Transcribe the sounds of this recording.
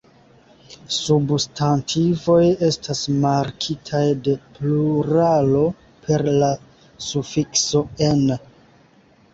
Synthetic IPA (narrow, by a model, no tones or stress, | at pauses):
substʰantʰivo̞je̞stʰasmaɾkʰitʰajde̞pluɾalo̞ | pʰe̞ɾla | sufikso̞en